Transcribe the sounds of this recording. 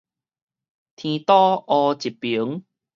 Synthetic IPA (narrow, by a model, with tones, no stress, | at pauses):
t̪ʰĩ˧t̪ɔ˦ʔɔ˧t͡ɕi˨˩pːi˨˦ŋ